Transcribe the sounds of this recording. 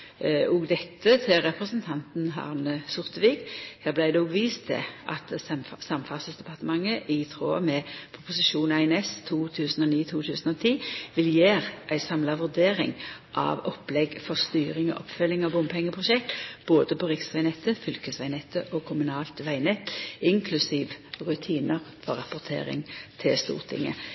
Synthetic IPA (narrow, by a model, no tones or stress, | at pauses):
ɔɡd̪ɛt̪ːət̪ʰɪɾɛpʁəsənt̪ʰɑnt̪n̩ɦɑ̰ːʁnəsʊʁt̪əʋiːkheːʁblæɪd̪ɛɔbʋiːst̪ʰɛ̰ʔɑt̪sɑmfɑsəsd̪ɛpɑʁt̪əmɑŋːəʔɪt̪ʰʁo̰ːmɛpʰʊpʊsɪʃuːnæɪnɛst̪ʰuːt̪ʰʉːsən̩ɔːniːt̪ʰuːt̪ʰʉːsənɔt̪ʰiːʋɪljeːʁʔæɪsɑmlɑʋʉʁd̪eːɾɪ̰ŋʔɑ̰ʋɔplɛɡfɔʁst̪yːʁɪŋɔ̰ʔɔpfœlːɪŋɑbʊmpʰɛŋːəpʰʁʊʃɛk̚t̪b̥oːd̪əpɔʁɪksʋæɪnɛt̪ːəfʏlkəsʋæɪnɛt̪ʰːəʔɔkʰʊmʉnɑːlt̪ʋæɪnɛt̪ːɪŋkʰlʉsiːʋʁʉt̪ʰiːnəʁfɔɾɑpʊʁt̪ʰḛːʁɪ̰ŋt̪ʰɪlst̪ṵːʁt̪ʰɪ̰ŋə̰